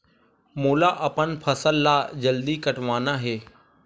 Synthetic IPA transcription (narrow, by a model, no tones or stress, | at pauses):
moːlaʔɐpənpʰɐsəlːaːd͡ʑɐld̪ikɐʈʋaːnaɦeː